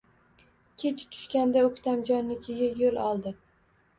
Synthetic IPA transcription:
kʲʰe̞t͡ʃʰt̪ʰʊ̥ʃkʲand̪aɵkʲt̪ʰamd͡ʒɒnlɪkʲʰɪɡʲajolˠɒlˠd̪ɪ

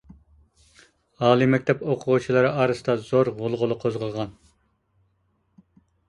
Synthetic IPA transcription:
ɑːlˠimɛk̚ʲt̪ʰɛpoqʰʊʁut͡ʃʰilˠɨɾɨɑɾɨsɨd̪ɑzoɾʁʊlˠʁʊlˠɨqʰozʁəlˠʁɑn

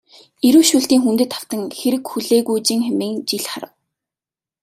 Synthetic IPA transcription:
eɾuːʃuːɬt̪iːŋxunt̪ɘ̆t̪ʰaw̥t̪ə̆ŋxeɾɘ̆kxuɮeːɣujt͡ɕiːŋxemiːŋt͡ɕiɮχaɾə̆w

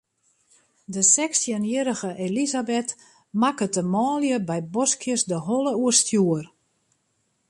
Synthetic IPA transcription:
dəsɛksjənjəɾəɣəʔelizabɛt | makətəmɔːljəbɛjbɔskjəsdəɦɔləuərstjuər

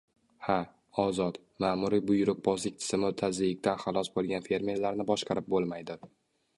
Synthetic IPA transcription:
ha | ɒzɒt̪ | mamʊɾibʊjʊɾʊq̚bɒzlɪk̚ʲt̪ʰɪ̥z̥ɪmɪʊt̪ʰazɪɪk̚ʲt̪anχalˠɒsbolˠɡʲanfe̞ɾme̞ɾlaɾnɪbɒʃqʰɑɾɪp̚bolˠmajd̪ɪ

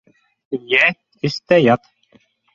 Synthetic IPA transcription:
jɛt̪ | ist̪æjɑt̪

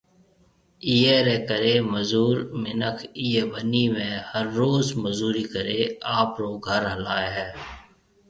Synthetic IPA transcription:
ijeɾɛːkəɾeːməzuːɾmɪnəkʰijeːbənimẽːhəɾːoːzməzuːɾiːkəɾeːaːpɾoːɡʱəɾɦəlaːeɦɛː

